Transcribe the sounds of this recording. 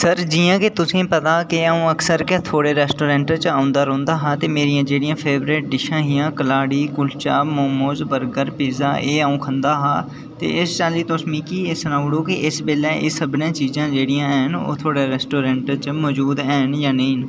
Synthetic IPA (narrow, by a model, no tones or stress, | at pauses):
səɾd͡ʒiːjãːket̪ʊsẽːpət̪aːkeaːũːəksəɾkɛt̪ʰoːɽeːɾɛːsʈoːɾɛ̃ːɳʈt͡ʃaːʊ̃nd̪aːɾõːnd̪aːɦaːt̪eːmeːɾijãːd͡ʒeːɽijãːpʰeːbɾeːʈ̚ɖɪʃãːɦijãːkəlaːɽiːkʊlt͡ʃaːmoːmoːzbəɾɡəɾpiːza̰ːʔeːaːũːkʰənd̪aːɦaː | t̪ḛːɪst͡ʃaːliːt̪oːsmĩːkieːsənaːʊɽoːkiʔɪsbeːlɛːʔɪ̰səbnãːt͡ʃiːzãːd͡ʒeːɽijãːɛɦno̰ːt̪ʰoːɽeːɾɛːsʈoːɾɛ̃ːɳʈt͡ʃmɔːd͡ʒuːd̪ɛːnjaːnəĩːn